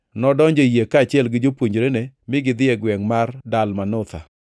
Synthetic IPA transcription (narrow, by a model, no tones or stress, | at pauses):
nɔdɔɲd͡ʒɔjekaːt͡ʃɪɛlɡɪd͡ʒopwoɲd͡ʒɾenemɪɡɪd̪ɪɛɡwɛŋmardalmanʊt̪a̰